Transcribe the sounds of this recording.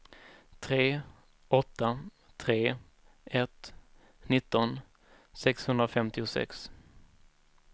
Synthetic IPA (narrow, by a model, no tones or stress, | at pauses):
t̪ʰɾeː | ɔt̪ːa | t̪ʰɾeː | ɛt̪ | nɪt̪ːɔn | sɛkshɵnd̪ɾafɛmt̪ɪʊsɛ̰ks